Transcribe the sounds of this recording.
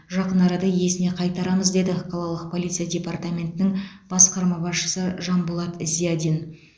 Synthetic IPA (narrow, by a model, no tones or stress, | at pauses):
ʒɑqənɑɾɑd̪ɑje̞sɪne̞qʰɑjt̪ɑɾɑməzd̪e̞d̪ɪqʰɑlˠɑlˠəq̚pʰo̞lˠit̪sɨjadʲe̞part̪amʲe̞nt̪ɪnɪŋb̥ɑsqɑɾmɑbɑsʃə̥səʒɑnbʊlˠɑt̪ɪzijad̪ʲin